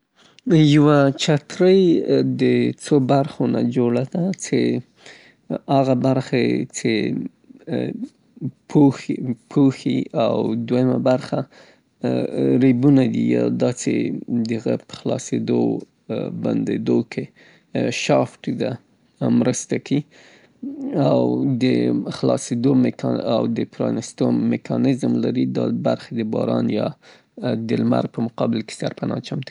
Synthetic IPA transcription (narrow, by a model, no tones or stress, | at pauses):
jawat͡ʃat̪ɾəjd̪ət͡sobaɾxona̰d͡ʒoɽad̪at͡se | aɣabaɾxet͡se | pʰopʰoxia̰wd̪wajama̰baɾxa | ɾebunad̪ij̰d̪ɑt͡sḛd̪əɣəpə̥xlɑsed̪o | ba̰nd̪ed̪okʰe | ʃɑfʈ̪ud̪a | mɾəst̪aki | awd̪əxlɑsed̪omkawd̪əpɾɑnɪst̪omekʰɑnɪzmlaɾid̪ɑbaɾxed̪əbɑɾɑnjɑ | d̪əlma̰ɾ̚pəmʊqɑbɪlke̥saɾpanɑt͡ʃamt̪